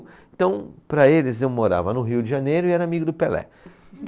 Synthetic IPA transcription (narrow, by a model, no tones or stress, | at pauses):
et̪ɐ̃w̃pɾɐelɪzewmoɾa̰vɐnʊɦiwd͡ʒɪʒɐnejɾʊɪɛɾɐamiɡʊd̪ʊpelɛ̰